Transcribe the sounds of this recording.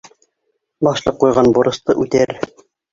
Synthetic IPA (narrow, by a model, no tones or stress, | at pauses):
bɑʃlˠɤqːujʁɑnbuɾɤ̆st̪ɤʔʉt̪æɾ